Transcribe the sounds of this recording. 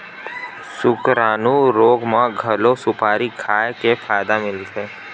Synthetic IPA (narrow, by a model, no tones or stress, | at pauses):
sʊkɾaːnũɾoːɡmãɡʱəlosʊpaːɾikʰaːjkepʰaːjd̪amɪlt̪eː